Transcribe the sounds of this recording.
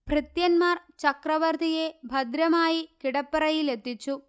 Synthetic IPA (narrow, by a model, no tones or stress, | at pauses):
prɾɪt̪jɐnmaːɾ | t͡ʃɐkɾɐʋɐɾt̪ijeːbʱɐd̪ɾɐmaːjikɪɽɐpːɐɾɐjɪlet̪ːɪt͡ʃːu